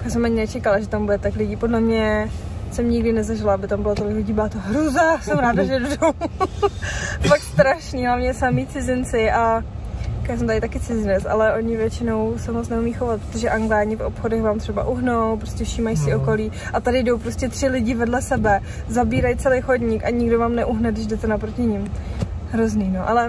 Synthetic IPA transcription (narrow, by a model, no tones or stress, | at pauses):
jaːs̬ɛmaɲɪnɛt͡ʃɛkalaʒɛt̪ambudɛt̪aklɪɟiːpodlɛmɲɛsɛmɲɪɡdɪnɛzaʒɪlaabɪt̪ambɪlot̪olɪklɪɟiːbaːt̪oɦɾuzasɛmɾaːdaʒɛdodow | fakt̪st̪ɾaʃniːɦlavɲɛsamiːt͡sɪzɪnt͡sɪʔa | jaːs̬ɛmt̪aɾɪt̪akɪt͡sɪzɪnɛt͡sʔa̰lɛʔo̞ɲɪvjɛt͡ʃɪno̞wsɛmot͡snɛumiːxovat̪̚pɾot̪oʒɛʔaŋɡlaːɲɪfʔo̰pxodɛxvaːmt̪r̝̥ɛba̰ʔuɦnowpɾoscɛfʃiːmajsɪo̞ko̞liːʔat̪adɪjdo̞wpɾoscʲɛt̪r̥ɪlɪɟɪvɛdlɛsɛbɛ | zabiːɾajt͡sɛlɛjxodɲɪkʔaɲɪɡdo̞vaːmnɛʔuɦnɛdɪʒdɛt̪ɛnapɾo̞cɪɲɪmɦɾozniːnoʔalɛ